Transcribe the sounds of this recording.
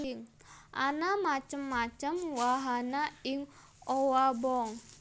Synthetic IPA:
iŋ | ʔanamat͡ʃəmːat͡ʃəmwaɦanaɪŋ | ɔwabɔŋ

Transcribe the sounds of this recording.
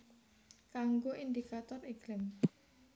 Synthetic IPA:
kaŋɡoʔind̪ikat̪ɔriɡlɪm

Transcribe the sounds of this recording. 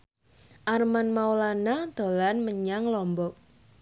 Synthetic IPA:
ʔarmanmawlanad̪̥o̤lanməɲaŋlɔmbɔk̚

